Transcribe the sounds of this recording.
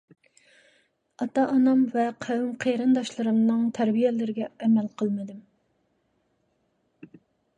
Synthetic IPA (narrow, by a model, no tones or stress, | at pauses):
ɑt̪ɑʔːnɑmvɛqʰæwymqʰeɾɨnd̪ɑʃlˠɨɾɨmnɨŋt̪ʰæɾbijɛlɪɾɪɡʲɛːmɛlqʰəlˠmɨd̪ɪm